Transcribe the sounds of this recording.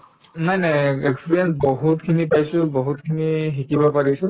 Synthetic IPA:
najnajekspɹijɛnsbɔɦutkʰinipajsʊ̃bɔɦutkʰiniɦikibɔpaɹisʊ̃

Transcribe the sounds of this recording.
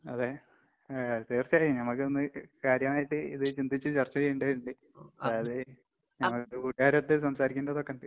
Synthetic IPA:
ɐðe | t̪iːrt͡ɕːaːjinɐmːɐkːɨonːɨkaːɾjɐmaːjiʈːɨḭðɨt͡ɕind̪ʱit͡ɕːɨt͡ɕɐrt͡ɕːɐjejuɳɖajɾuɳɖɨ | ɐðaɐðɨ | nɐŋːɐk̪ːɨkuːʈːiaːɾɐt̪ːis̬ɐmsaːɾikʲːunɳɖɐðokːenɖɨ

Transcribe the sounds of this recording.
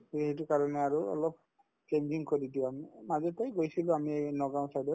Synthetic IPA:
hejtʊkaɹɔnɛaɹuɔ̰lɔp̚ | t͡ʃeɲd͡ʒiŋkodidiʊ̃amimazɛtajɡojsilʊ̃amiejnɔɡaʊ̃sajdɔ

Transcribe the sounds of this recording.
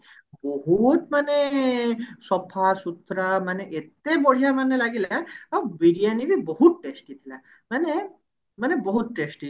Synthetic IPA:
bɔɦut̪mane | sɔpʰasut̪ːɾəmaneʔet̪ebɔɽ̤ijamanelaɡilaːwbiɖijanibʱibɔɦut̪̚ʈesʈit̪ʰila | mane | manebɔɦut̪̚ʈesʈi

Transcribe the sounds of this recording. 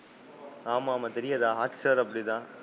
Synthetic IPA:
aːmaːmɐt̪ɐɾɪjɐd̪aːɦaːtsɐɾɐpːɐɽit̪ãː

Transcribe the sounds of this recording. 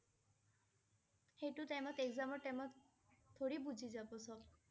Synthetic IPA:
hejʈut̪ajmɔt̪ekzamɔʈemɔ | t̪ʰːoɽibud͡ʒʱid͡ʒabɔsɔb

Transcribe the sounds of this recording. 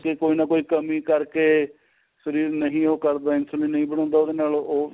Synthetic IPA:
kekoːiːnaːkoːiːkəmiːkəɾkeː | səɾiːɾnəɦĩːoːkəɾd̪aːɪnsəliːnəĩːbəɽ̃ɔ̃ːnd̪aːoːd̪eːnaːloː

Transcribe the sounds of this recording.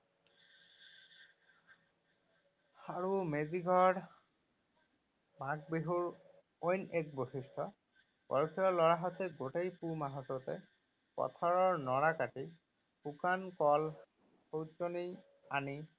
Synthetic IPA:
aɹumeziɡʱɔɹ | maɡ̚biɦuɹ | ojnek̚boxistʰɔ | bɔ̰ɹkʰijɔlɔɹaɦɔtɛɡotejpumaɦɔtɔtɛ | pɔ̰tʰɔɹɔɹnɔɹakati | pukankɔl | sowt͡ʃoni | ani

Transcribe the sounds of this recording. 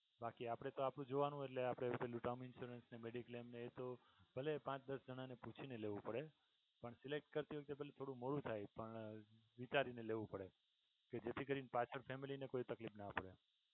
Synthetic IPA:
bakiapɽ̃et̪oapɽ̃ũd͡ʒoʋanũeʈleapɽ̃ẽeluʈamɪnʃuɾənsnemeɖikəlemneːt̪o | b̥ʱəlepãt͡ʃd̪əsd͡ʒəɽ̃aneput͡ʃʰineleʋũpəɽe | pəɳsilek̚ʈ̚kəɾt̪iʋək̚t̪ebʱəlet̪ʰoɽũmoɭũt̪ʰajpəɳʋit͡ʃaɾineleʋũpəɽe | ked͡ʒet̪ʰikəɾinpat͡ʃʰəɾfʰemilinekoit̪əklipnaːpəɽ̃e

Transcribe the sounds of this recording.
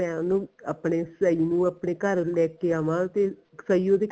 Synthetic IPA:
ɛ̃ːnũːəpɳeːsəiːnũːəːpɳeːkəɾlɛːkeːaːʋãːt̪eː | səiːoːd̪eː

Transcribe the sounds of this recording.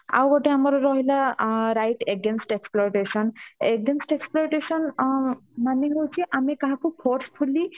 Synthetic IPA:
a̰wɡɔʈeamɔɾɾɔɦilaɾajʈeɡensʈeksploɾʈesɔneɡensʈeksploɔɾʈesɔn | maneɦowt͡ʃʰiʔamikaɦãkopʰɔɾspʰulːi

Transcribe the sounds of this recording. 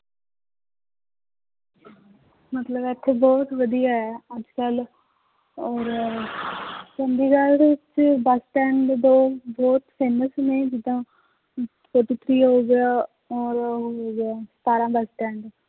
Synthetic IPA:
mət̪ləbɛt̪ʰːeːbɔːt̪ʋəd̪ijaːɛːəd͡ʒkəl | ɔːɾ | t͡ʃənd̪iːɡaːlɽt͡ʃbəsʈɛ̃ːɳɖd̪oːbɔːt̪feːməsnẽːd͡ʒɪd̪ãː | poːʈit̪ʰɾiːɦoːɡejaː | ɔːɾɦoːeɡat̪aːɾãːbəsʈɛːɳɖ

